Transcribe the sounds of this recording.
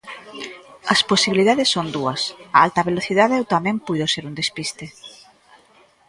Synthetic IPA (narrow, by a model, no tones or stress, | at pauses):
ɐsposiβiliðaðesːond̪uɐsaalt̪ɐβeloθiðaðɛwt̪amɛ̃mpujðoseɾund̪espist̪e